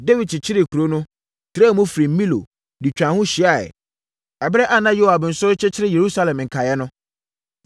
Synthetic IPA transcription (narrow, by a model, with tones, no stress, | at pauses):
de˦wi˨dt͡ɕʰɪ˦ɾɪ˨kʰu˨ɾo˦nʊ̃˦ | tʰɾɛː˦mũ˦fɾĩ˨m̩˦mĩ˦lo̰˨ | di˨t͡ɕᶣã˨hʊ̃˦ɕi˨˦a˦˨ɛ̰˨ | ɛ˨bɾɛ˦ʔa˦nã˦jo˦wa˨bn̩˨sʊ˦ɾɪ˦t͡ɕʰɪ˦t͡ɕʰɪ˦ɾɪ˦je˨ɾu˦sa˦lɛ̃˨m˨ŋ̩˨kʰa˨jɛ˦nʊ̃˦